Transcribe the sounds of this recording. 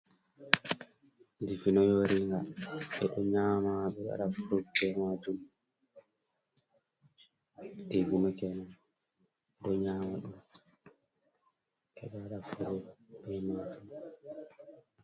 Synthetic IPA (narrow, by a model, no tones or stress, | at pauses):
difinɔjoɾiŋɡaɓɛɗɔɲaːmaɓɛɗa̰ɗafuɾubɛmad͡ʒum | diɡumɛkɛna | ɗɔɲaːmaɗɔm | ɛɗɔaɗafuɾubɛmad͡ʒum